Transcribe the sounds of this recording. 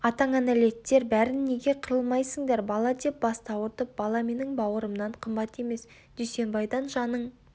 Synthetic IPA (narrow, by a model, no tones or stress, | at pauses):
ɑt̪ɑɴanæle̞t̪ːe̞ɾbæɾɪnːe̞ɡʲe̞qʰəɾəlˠmɑjsəŋd̪eɾbɑlˠɑd̪e̞p̚bɑst̪ɑwəɾt̪əp̚b̥ɑlˠɑme̞nɪŋbɑwəɾəmnɑɴqʰəmbɑt̪e̞me̞s | d̪̥ʏjse̞nbɑjd̪ɑnʒɑnəɴ